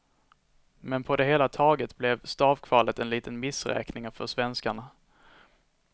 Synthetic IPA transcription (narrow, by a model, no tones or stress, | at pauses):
mɛnpʰɔd̪ɛɦeːlat̪ʰɑːɡət̪blɛvst̪ɑːvkʰvɑːlət̪ɛnliːt̪ənmɪsɾɛ̰ːknɪŋafœʂvɛnskaɳa